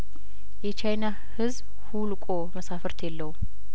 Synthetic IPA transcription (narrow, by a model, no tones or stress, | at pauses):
jɛt͡ʃʰajna | hɨzb | hulkʼoməsafəɾt̪ʰjɛlːəwu